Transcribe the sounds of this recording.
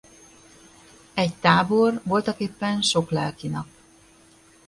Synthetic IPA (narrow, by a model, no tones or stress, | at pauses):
ɛɟt̪aːbo̞rʋo̞lt̪ɒkeːpːɛnʃo̞klɛlkinɒp